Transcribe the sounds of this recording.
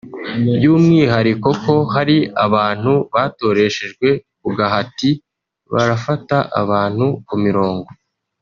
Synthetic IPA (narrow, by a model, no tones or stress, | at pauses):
bjuːmŋiːɦaɾiko̞ko̞ɦaɾiaβaːn̥huβaːto̞ɾe̞ʃe̞ʒɡwe̞kuɡaɦati | βa̰ɾafataʔa̰βaːn̥hukumiɾo̞ːŋɡo̞